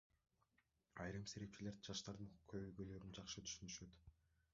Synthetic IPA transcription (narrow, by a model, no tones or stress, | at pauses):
ɑjɾɯmse̞ɾe̞p̚t͡ʃile̞ɾd̪d͡ʒɑʃt̪ɑɾd̪ɯnuquqkʰøβøjɡøjlø̞ɾynd͡ʒɑqʃɯt̪ʰy̥ʃynyʃø̞t̪